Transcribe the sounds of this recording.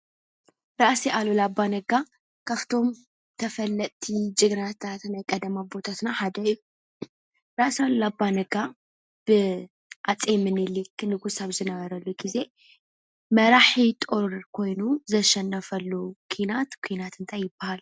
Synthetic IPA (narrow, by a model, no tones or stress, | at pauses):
ɾaʔseʔalolabːanɐɡa | kʰaft̪ʰo̞m | t̪ʰɐfɐlːɐt̪ʼt̪ʰid͡ʒʼɨɡɾat̪ʰat̪najkʼɐd̪ɐmabo̞t̪ʰat̪naħad̪ɐju | ɾaʔsalolabanɐɡa | b̥ɨ | ʔat͡sʼemɨnɨlikːnɨɡusaβzɨnɐβɐɾɐlːuɡize̞ | mɐɾaħit̪ʼoɾkʰo̞jnuzɐʃɐnːɐfɐlːukʰinat̪kʷʰinat̪ɨnt̪ʰajːɪbːahal